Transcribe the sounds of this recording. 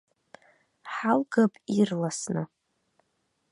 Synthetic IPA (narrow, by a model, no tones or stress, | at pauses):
ħalɡapʼirlasnɨ